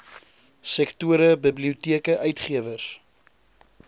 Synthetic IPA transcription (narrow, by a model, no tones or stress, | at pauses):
sɛktuəɾəbəbliutiəkəʔœɥtχiəvərs